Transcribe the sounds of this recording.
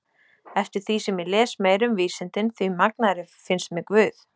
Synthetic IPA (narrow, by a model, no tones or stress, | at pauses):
ɛft̪ɪɾθvisɛmɪlɛːsmeːjɾʏmviːsɪnt̪ɪnθɥimak̚naɾɪ | fɪnst̪mɛkvʏːθ